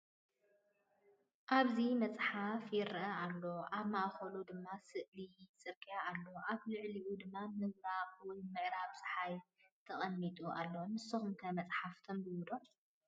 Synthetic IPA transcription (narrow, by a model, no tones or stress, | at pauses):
ʔaβzimɐt͡sʼħafjɪɾɐʔɐʔalːo̞ʔaβmaʔxɐlud̪ɨmːasɨʔlit͡sʼɨɾkʼijaːlːoʔaβlɨʕliʔud̪ɨmːamɨɡbaβwɔjmɨʕɾaβsʼɨħajt̪ʰɐχʼɐmːit̪ʼuʔa̰lːonɨsɐxumkʰɐmɐt͡sʼħaft̪ʰombɨwud̪o